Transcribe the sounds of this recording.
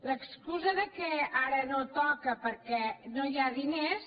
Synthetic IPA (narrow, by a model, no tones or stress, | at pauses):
ləkskuzəðəkɛaɾənot̪ɔkəpəɾkɛnojaðines